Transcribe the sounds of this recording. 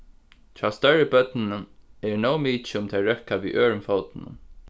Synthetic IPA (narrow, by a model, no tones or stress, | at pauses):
t̪ʰɹaːst̪œɹəbœt̪nɪnʊɛɹnowmiːt͡ʃɪʊmt̪ʰɛɹœhkaʋḭːʔøːɹʊmfowt̪ɪnʊ̰n